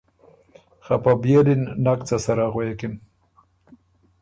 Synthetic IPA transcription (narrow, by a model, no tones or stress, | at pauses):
xapabjelinnakt͡sasaɾaɣojekin